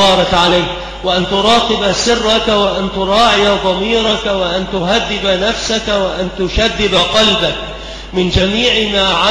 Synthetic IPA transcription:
ɑːɾˤɑkʕalajh | waʔant̪ʊɾˤɑːt̪ɨbasɪrːɑkwaʔant̪ʊɾˤɑːʕɪjad̪ˤɑmiːɾˤɑkwaʔant̪ʊɦad̪ːɪbanafsakawaʔant̪ʊʃad̪ːɪbaqɑlbak̚ | mɪnd͡ʒamiːʕɪmaːʕa

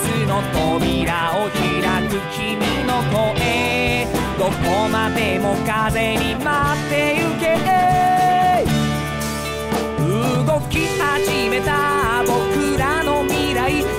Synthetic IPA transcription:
ɨnot̪obʲiɾaoɕiɾakɯt͡ɕiminokoʔe | d̪okomad̪emokaze̞ɲimat̪ːejɯkeʔe | ɯɡo̞kʲihaʑime̞t̪abo̞kɯɾanomʲiɾai

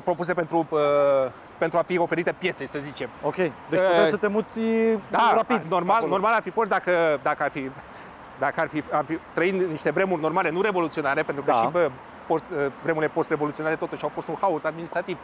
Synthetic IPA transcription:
pɾo̞pus̬e̞pe̞nt̪ɾuə | pe̞nt̪ɾuafio̞fe̞ɾit̪e̞pje̞t̪se̞səzit͡ʃe̞mokʲejd̪et͡ʃ̪esət̪emut̪sʲd̪aɾapid̪no̞rmalno̞rmalarfifo̞st̪̚d̪akəd̪akəarfi | d̪akəarfiarfit̪ɾəiniʃt̪e̞vɾe̞murʲno̞rmale̞nuɾe̞vo̞lut̪sio̞naɾe̞pent̪ɾukəʃiə | post̪əvɾe̞muɾilepo̞st̪re̞vo̞lut̪sioaɾe̞t̪o̞t̪uʃiawfo̞st̪unhausad̪̚minist̪ɾat̪iv

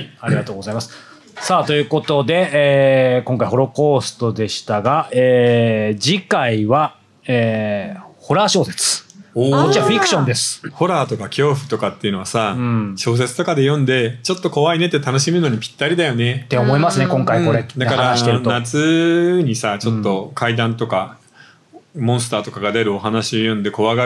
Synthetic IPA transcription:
aɾiɡat̪o̞ːɡo̞zaimasɨ̥ | sat̪o̞jɯ̟ːko̞t̪o̞d̪e̞ːkõŋkaiho̞ɾo̞ko̞ːsɨ̥t̪o̞d̪e̞ɕi̥t̪aɡaeːd͡ʑikaiβa | eː | ho̞ɾaːɕo̞ːse̞̥t͡sɨ̥okot͡ɕiβaɸʲikɯ̟̥ɕõ̞nd̪e̞sɨ̥ho̞ɾaːt̪o̞kakʲʰo̞ːɸɯ̟̥t̪o̞kat̪ːe̞iɯ̟no̞asãɕo̞ːs̬e̞t͡sɨ̥t̪o̞kad̪e̞jõ̞nd̪e̞t͡ɕo̞t̪ːo̞ko̞βaine̞t̪ːet̪ano̞ɕimeɯno̞ɲ̟ipʲi̥t̪ːaɾʲid̪ajo̞ne̞t̪ːeomoimasɨne̞kõŋkaiko̞ɾed̪akaɾaɾaaɕi̥eɾt̪onat͡sɨɲ̟isat͡ɕo̞t̪ːo̞kʰaid̪ãnt̪o̞ka | mõ̞ɰ̃s̬ɨ̥t̪aːt̪o̞kaɡad̪e̞ɾɯ̟o̞ɦanaɕio̞jõ̞nd̪e̞ko̞βaɡa

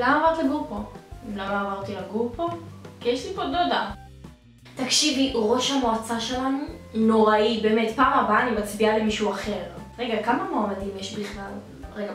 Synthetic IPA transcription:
lamaːmaʁt̪laɡuʁpoimlamlaːmaʁt̪ilaɡuʁpokijeʃlipododa | takʃiviʁo̞ʃhamoat͡saʃe̞lanuno̞ʁaibeːme̞tpaːmabaːnimat͡sbialimiʃuaχe̞ʁʁeɡakamamoamadimjeʃbiχlal | ʁeɡa

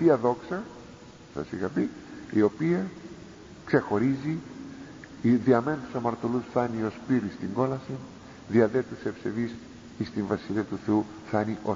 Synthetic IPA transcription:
t̪iɐðo̞ksɐ | sɐ̰sixɐpiio̞piɐ | kse̞xo̞ɾizi | ðiɐme̞nt̪u̥sɐmɐɾt̪o̞lusθɐnio̞spiɾist̪iŋɡo̞lɐsin | ðiɐðet̪usepse̞ðis | ist̪iɱvɐsiliɐt̪uθeu | θɐniʔo̞

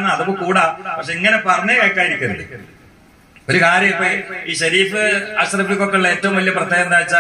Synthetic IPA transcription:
nːɐðopːoːkuːɽaːpɐkʂe̞iŋːɐne̞pɐrɐɲːɐekːaːjiɾikʲːunːɐðɨ̰ | o̞ɾukaːɾjɐmipːoːiːɕɐɾiːfɨaɕrɐbikːokːɐɭiɭːeːtːɐʋumʋɐlijɐprɐt̪ʰjeɣɐend̪aːjit͡ɕːaː

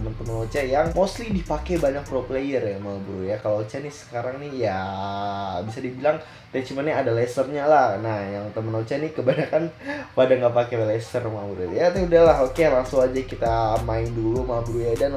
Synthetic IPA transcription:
əmənt̪əmənot͡ʃajaŋmoslidipakebaɲak̚pɾoplejəramabɾujakaloot͡ʃanisə̥kaɾaŋnija | bisadibilaŋ | t̪ɛt͡ʃimanɲaadalɛsərɲalahnahjaŋt̪əmənot͡ʃanikəbaɲakanpadaŋɡapakelɛsərmabɾujat̪audahlaɦokelaŋsuŋad͡ʒakit̪amaɪndulumabɾujadan

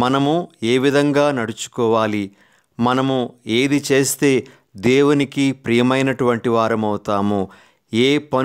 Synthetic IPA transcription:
mɐnɐmue̞ːʋid̪ʱɐŋɡaːnɐɽut͡ʃu̥kɔːʋaːli | mɐnɐmue̞ːd̪it͡ʃe̞ːst̪e̞ː | d̪eːwunikipɾijɐmɐjnɐʈuʋɐɳʈiʋaːɾɐmɐwut̪aːmu | eːpɐ

